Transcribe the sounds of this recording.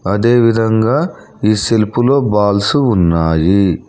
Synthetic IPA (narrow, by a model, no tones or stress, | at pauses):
ɐd̪e̞ːʋid̪ʱɐŋɡaː | iːse̞lpulo̞ːbaːlsuːnːaːji